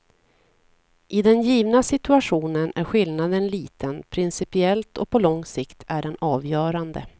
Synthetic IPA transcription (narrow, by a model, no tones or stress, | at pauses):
ʔɪd̪ɛnjiːvnasɪt̪ɵaɧuːnənæɾɧɪlnad̪ənliːt̪ənpʰɾɪnsɪpɪɛlt̪ɔpʰɔlɔŋsɪkt̪ʰæɖɛnɑːvjœːɾand̪ə̰